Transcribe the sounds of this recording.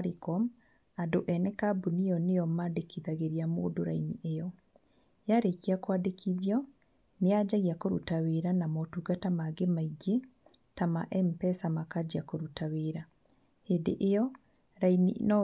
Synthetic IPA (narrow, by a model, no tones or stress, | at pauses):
ɾikɔm | adoʔɛnɛkabunijɔnejɔmadekiðaɣeɾiamo̰ːdoɾainiʔejɔ | jaɾekiakwadekʰiðjɔ | nead͡ʒaɣiakoɾutaweɾanamɔtuɡatamaɡemaiɡe | tamaʔɛm̩pɛsamakad͡ʑiakoɾutaweɾa | hendeʔejɔ | ɾainḭnɔ